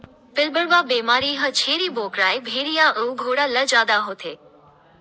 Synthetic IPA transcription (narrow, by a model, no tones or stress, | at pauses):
pɪlbəɽbaːbeːmaːɾiːɦət͡ʃʰeːɾiːboːkɾaːjbʱeːɾijaʔəwɡʱoːɽaləd͡ʒaːd̪aɦoːt̪ʰeː